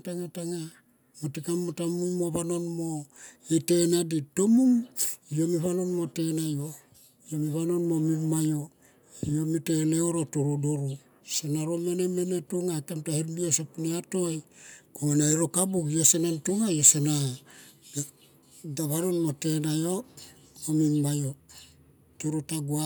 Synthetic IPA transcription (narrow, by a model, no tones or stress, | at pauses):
taŋataŋa | motikamːotamunmo̞βano̞nmo̞ete̞naditomumijo̞miβano̞nmo̞te̞najo | ijo̞miβano̞nmo̞mimajo̞ | ijomite̞neoɾotuɾudoɾu | senaɾome̞neme̞ne̞tuŋajkamtahiɾmiosapuniato̞jkoenaiɾokabukjose̞nantuŋajosena | daβanonmote̞najo | omimmajo | tuɾutaɡua